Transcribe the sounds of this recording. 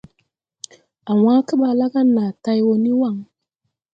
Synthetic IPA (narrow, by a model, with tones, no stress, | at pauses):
a˨wa˦kə˦ɓa˨la˦ɡa˦nːa˨ta˦jwo˦ni˦wa˦˨ŋ